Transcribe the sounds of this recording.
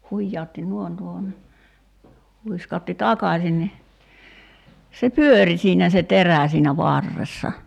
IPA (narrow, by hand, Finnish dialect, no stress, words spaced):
huijːɑotːi nuoĭn tuohon ni huiskɑotːi tɑkɑsʲin ni se pyøri siːnæ se teræˑ siːnæ ʋɑrːesːɑ